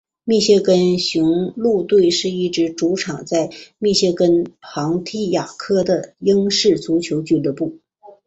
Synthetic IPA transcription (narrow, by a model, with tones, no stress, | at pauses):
mi˥˧ɕjɛ˥˧kə˥nɕu˧˥ŋlu˥˧t̪we˥˧ɪʂɻ̩˥˧i˥˩ʈ͡ʂɻ̩˧˥ʈ͡ʂu˧˥ʈ͡ʂʰɑ˨˩ŋt͡sa˥˧ɪmi˥˧ɕɛ˥˩kə˥nxɑ˧˥ŋt̪ʰi˥ja˨˩kʰɤ˥d̪ə˨jɤ˥ŋʂɻ̩˥˩t͡su˧˥t͡ɕʰjo˧˥ʊt͡ɕy˨˩lɤ˧˥pu˥˩